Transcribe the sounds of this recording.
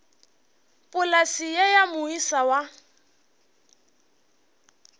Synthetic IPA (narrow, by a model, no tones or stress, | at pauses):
pʼʊlasijajamʊisawa